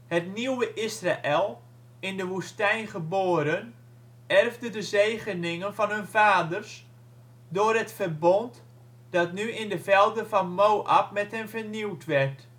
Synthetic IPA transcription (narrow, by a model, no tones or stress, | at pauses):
hətniwəʔɪsraʔɛlˠ | ɪndəʋustɛjnχəboːɾən | ɛrvdədəzejχənɪŋənvɑnɦønvaːdərs | dʊːrɦətfərbɔnt | d̥ɑtnyɪndəvɛlˠdəfɑnmowʔap̚mɛthɛnvərniwtʋɛrt